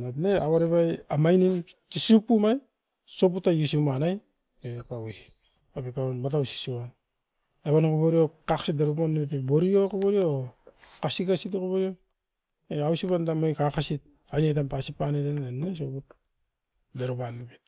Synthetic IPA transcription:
natneaβaɾeβajamajnimtisupːumaj | soputajusimanaj | pepawi | apekanmat̬awsi̥suβan | eβankoβoɾiokaksit̚deɾopanːiepeboɾiokoboɾiokasikasitokoboɾio | eawsiβandamojkakasit̚ | ajnet̬ampasipanetennatnes̬oput | deɾopanːibet

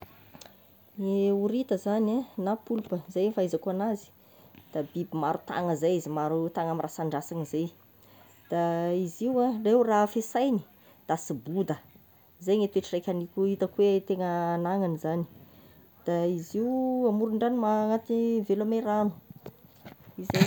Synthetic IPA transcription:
ŋeuɾit̪əzananapulpəzejfaizakoanazi̥ | d̪̥abibimaɾut̪a̰ŋəzejizimaɾut̪aŋamirasaɳɖ͡ʐasaŋizej | d̪̥aiziwarewrafesajni̥ | d̪̥asibud̪ə | zejŋet̪ueʈ͡ʂirejkʲanikʲuit̪əkwet̪eŋəːnaŋanizani̥ | d̪̥aiziwamuɾuɳɖ͡ʐanimaŋat̪ivelameranu̥ | ize

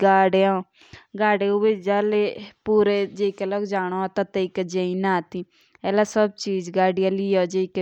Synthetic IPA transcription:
ɡaːɽeãː | ɡaːɽeːubed͡ʒaːleːpuːɾeːd͡ʒekeloːɡd͡ʒaːɽ̃oːat̪ãːt̪eikəd͡ʒeĩːnaːt̪iː | ɛːlaːsəb̚t͡ʃiːd͡ʒɡaːɖɪjãːlɪːoːd͡ʒek

